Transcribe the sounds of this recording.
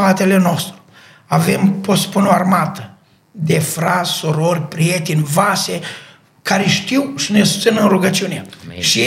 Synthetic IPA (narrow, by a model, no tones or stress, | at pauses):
at̪e̞le̞no̞st̪ɾu̥ | ave̞mpospunoarmat̪ə | d̪e̞fɾat̪ssuɾo̞rʲpɾie̞t̪enʲvase̞ | kaɾeʃt̪iwʃine̞ssɨnɨnruɡət͡ʃuneʃi